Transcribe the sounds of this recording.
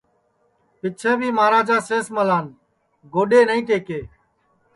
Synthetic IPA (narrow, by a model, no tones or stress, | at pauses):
pɪt͡ʃʰẽːbʱiːmaːɾaːd͡ʒaːseːsməlaːn | ɡoːɗeːnəĩːʈeːkeː